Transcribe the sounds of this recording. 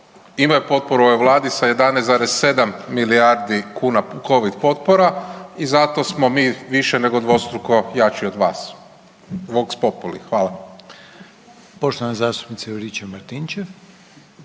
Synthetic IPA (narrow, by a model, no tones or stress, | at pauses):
imajupo̞t̪̚poɾuoojʋlˠaːd̪isaje̞d̪anejzaɾesse̞d̪amːiliaɾd̪ikuːnako̞ʋid̪po̞t̪poɾaizat̪o̞smo̞miːʋiʃene̞ɡod̪ʋo̞st̪ɾuko̞jat͡ʃiod̪ʋa̰ːs | ʋokspo̞t̪̚pulḭxʋaːla | poʃt̪oanzaːst̪u̥pnit̪saɾit͡ʃemaɾt̪int͡ʃe